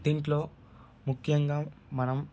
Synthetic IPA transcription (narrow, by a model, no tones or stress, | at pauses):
d̪iːɳʈlo̞ː | mukʰːjɐŋɡaːmɐnɐm